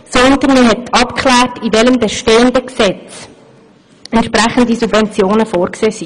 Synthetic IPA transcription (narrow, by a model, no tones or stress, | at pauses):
sɔnt̪əniɦɛtʰɑpkʰlæːrtiʋɛləmbeʃteːəndəksɛt͡s | ɛntʃpɾæχəndisubvɛnt͡sjoːnəfoːrkseːsi